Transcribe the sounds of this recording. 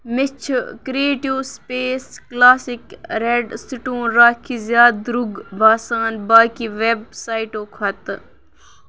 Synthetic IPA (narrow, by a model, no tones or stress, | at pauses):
mɪt͡ʃʰkɾieːʈiwspeːsklaːsɪkɾeɖsɪʈõːnɾaːkʰizjaːd̪ɾuɡbʱaːsaːnbaːkiʋeb̚saːiʈoːkʰɐt̪